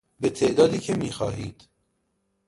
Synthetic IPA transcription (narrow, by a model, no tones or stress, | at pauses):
bet̪ʰe̞ʔd̪ɒːd̪iːcʰemiːxɒ̰ːhḭːd̪̥